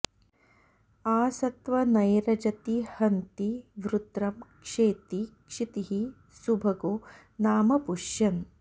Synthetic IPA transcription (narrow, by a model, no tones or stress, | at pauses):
aːsɐt̪ʋɐnɐjɾɐd͡ʒɐt̪ihɐnt̪iʋɾut̪ɾɐmkʂeːt̪ikʂit̪iɦi | subʱɐɡoː | naːmɐpuʃjɐn